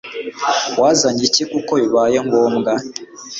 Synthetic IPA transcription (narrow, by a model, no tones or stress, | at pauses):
wazaɲicekukoiβajemɡomɡa